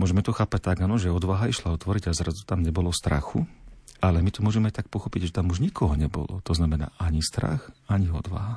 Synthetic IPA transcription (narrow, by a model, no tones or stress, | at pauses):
mʊɔʒɛmɛt̪ɔxaːpac̚t̪aɡaːnɔʒɛɔd̪ʋaɦaiʃlaɔt̪ʋɔɾiɟazɾazut̪amɲɛbɔlɔst̪ɾa̰xṵalɛmit̪ɔmʊɔʒɛmɛajt̪ak̚pɔxɔpiɟʒɛt̪amuʒɲikɔɦɔɲɛbɔ̰lɔ̰t̪ɔznamɛna̰ːʔaɲist̪ɾa̰xaɲiɔd̪ʋa̰ɦa